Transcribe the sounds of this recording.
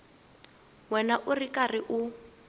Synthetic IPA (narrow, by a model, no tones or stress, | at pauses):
wɛnaʔʊrikʼarɪʔʊ